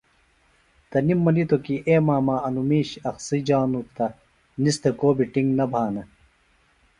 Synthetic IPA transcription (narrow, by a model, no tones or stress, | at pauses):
t̪ɐnimːɐnit̪okiʔeːmaːmaːɐnumiːɕɐxsid͡ʑaːnut̪ːɐ | nist̪ekoːbiʈiŋɡnɐbʱaːnɐ